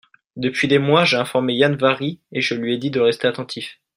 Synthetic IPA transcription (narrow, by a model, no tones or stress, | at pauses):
d̪əpɥid̪emwaʒeɛ̃fɔʁmejanvaʁieʒəlɥiɛd̪id̪əʁɛst̪eat̪ɑ̃t̪ʰif